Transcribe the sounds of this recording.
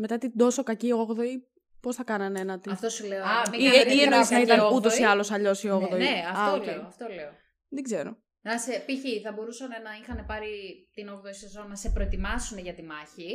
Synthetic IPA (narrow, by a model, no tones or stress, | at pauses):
me̞t̪ɐt̪id̪o̞so̞kɐcio̞ɣðo̞i | po̞sθɐkɐnɐnenɐt̪iɐft̪osuleoɐmiiienoisnɐiɐnut̪o̞siɐlo̞sɐʎo̞sio̞ɣðonieɐfɐoceɐft̪oleo | ðeɡze̞ɾo̞̰ | nɐsepiçiθɐbo̞ɾusɐne̞nɐixɐne̞pɐɾit̪inoɣðoisiɐzonɐse̞pɾo̞et̪imɐsuneʝɐt̪imɐçi